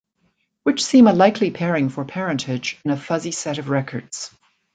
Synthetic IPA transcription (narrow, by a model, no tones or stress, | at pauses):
wɨt͡ʃsĩməlaɪkʰlipʰɛɹɪ̃ŋfə˞pʰɛɹɨ̃ntʰɪd͡ʒɨ̃nɨfʌzisɛɾʌvɹɛkʰə̰˞dz̥